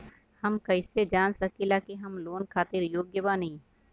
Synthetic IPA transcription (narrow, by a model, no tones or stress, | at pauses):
hɐmkɐɪsed͡ʒaːnsɐkilaːkeɦɐmloːnkʰaːt̪ɪɾjoːɡjəbanɐɦĩ